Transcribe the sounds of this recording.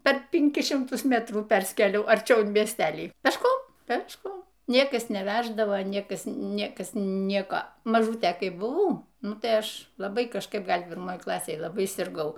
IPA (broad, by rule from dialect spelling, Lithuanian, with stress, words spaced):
pʲɛr pʲɪŋʲˈkʲɪs ʃʲɪmˈtʊs ˈmʲæːtruː ˈpʲɛrʲsʲkʲeːlʲɛʊ ɐrʲˈt͡ʃʲɛʊ ɪn mʲiɛsʲˈtʲæːlʲiː pʲɛʃˈkoːm pʲɛʃˈkoːm ˈnʲiɛkɐs nʲɛˈʋʲæʒdɐʋoː ˈnʲiɛkɐs ˈnʲiɛkɐs ˈnʲiɛkoː mɐˈʒuːtʲeː ˈkɐɪ bʊˈʋɐʊ ˈnʊ tɐɪ ˈɐʃ lˠɐˈbɐɪ kɐʃˈkɐɪp ˈɡɐlʲ pʲɪrˈmoːj ˈklˠɑːsʲeːj lˠɐˈbɐɪ sʲɪrˈɡɐʊ